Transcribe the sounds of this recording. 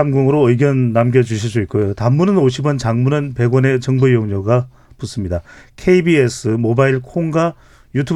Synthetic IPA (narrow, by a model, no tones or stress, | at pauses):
amɡoŋɯɾoɯiɡjʌnːamɡjʌd͡ʑuɕʰis͈uit̚k͈ojotamːunɯnoɕʰibwʌnt͡ɕaŋmunɯnpe̞ɡwʌne̞t͡ɕʌŋbɯjoŋɲoɡa | pus͈ɯmɲidakʰe̞ibies͈ʰɯmobaiɭkʰoŋɡa | jutʰu